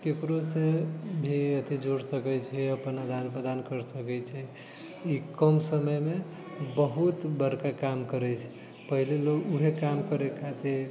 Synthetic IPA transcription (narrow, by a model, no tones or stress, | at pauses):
kekɾosebʱiət̪id͡ʒoɽsəkɛt͡ʃʰɛəpənad̪anpɾəd̪ankəɾsəkɛt͡ʃʰɛ | ikəmsəməjme | bəɦut̪bəɾkakamkəɾɛt͡ʃʰɛ̥ | pəɦileloɡuɦekamkəɾekʰat̪iɾ